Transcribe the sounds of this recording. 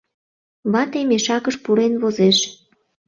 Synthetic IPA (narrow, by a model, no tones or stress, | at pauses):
βɑt̪emeʃɑkəʃpuɾenβozeʃ